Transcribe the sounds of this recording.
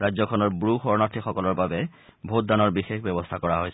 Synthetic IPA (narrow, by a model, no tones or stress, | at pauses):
ɹajd͡ʑzɔkʰɔnɔɹbɹuxɔɹnatʰixɔkɔlɔɹbabɛbʱot̚d̪anɔɹbixexbjɔbɔst̪ʰakɔɹaɦojs